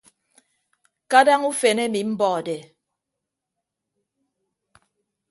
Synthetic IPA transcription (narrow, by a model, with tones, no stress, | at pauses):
ka˦da˦ŋu˦fe˨ne˦mi˨m̩˦bɔː˨de˨